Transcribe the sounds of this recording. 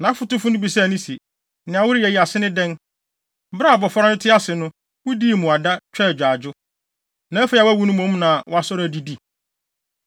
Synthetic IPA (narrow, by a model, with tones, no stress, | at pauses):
nã˨˦fʊ˦tʊ˦fʊ˦nʊ̃˦bi˨sɛ˦æ˨nĩ˦si˨ | nɪ̃˨ã˨wʊ˦ɾi˦ɛ˨ji˨a˨sɪ˦nɪ̃˦dɛ̃˦n˦ | bɾa˦˨bɔ˨fɔ˦ɔ̃˦ɪ˦tʰɪ˦a˦sɪ˨nʊ̃˦ | wʊ˦di˦˨mʊ̃˨a˨da˦t͡ɕʰᶣɛ˦˨d͡ʑᶣaː˨d͡ʑʊ˦ | nã˨˦æ˦fɛ˦˨a˨wæ˦wu˦nʊ̃˦mõ˨˦mnã˨wɔ̰˦a˨sɔ˦ɾæ˨di˨˦di˦